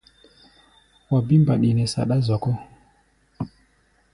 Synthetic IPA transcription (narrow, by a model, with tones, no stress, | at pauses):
wa˨bi˦mba˨ɗi˨nɛ˨sa̰˨ɗa˦zɔ˨kɔ˦